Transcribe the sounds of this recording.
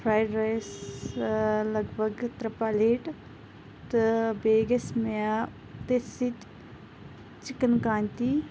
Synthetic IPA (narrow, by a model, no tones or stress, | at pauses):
pʰɾaːjɖɾajs | lɐɡbʱəɡt̪ɾəpaːleːʈ | t̪beːɡesmea | t̪esit̪ | t͡ʃɪkənkaːnt̪iː